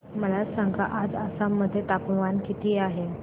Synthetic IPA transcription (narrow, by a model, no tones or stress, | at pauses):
məlasãŋɡa̰ʔad͡zəsamːəd̪ʱːjet̪apʋankit̪ʰiːaɦe